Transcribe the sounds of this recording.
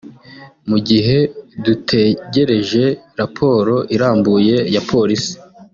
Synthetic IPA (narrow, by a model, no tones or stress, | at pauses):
muɟiɦe̞dutʰeɟe̞ɾe̞ʒe̞ɾapʰo̞ːɾo̞ʔiɾaːmbuje̞japʰo̞ɾisi̥